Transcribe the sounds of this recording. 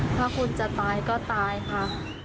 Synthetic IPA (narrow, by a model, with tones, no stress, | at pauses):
t̪ʰaː˥˩kʰu˧nt͡ɕa˨˩t̪aː˧jkɔː˥˩t̪aː˧jkʰa˦˥˩